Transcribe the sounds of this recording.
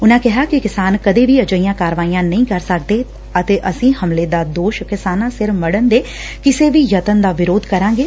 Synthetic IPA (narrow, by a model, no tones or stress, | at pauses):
ʊnãːkɛɦaːkɪkɪsaːnkəd̪eːʋiːəd͡ʒəiːjãːkaːɾʋaːiːãːnəĩːkəɾsək̚d̪eː | ət̪eːʔəsĩːhəmleːd̪aːd̪oːʃkɪsaːnãːsɪɾməɽənd̪eː | kɪseːʋiːjət̪ənd̪aːʋɪɾoːd̪kəɾãːŋ̆ɡeː